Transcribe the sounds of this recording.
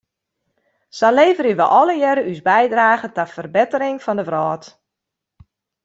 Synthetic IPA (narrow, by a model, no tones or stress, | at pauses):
sɔnleːvərəʋə̰ʔɔləjɛɾəʔyzbɛjdraːɣətafərbɪtəɾɪŋfɔndəvrɔːt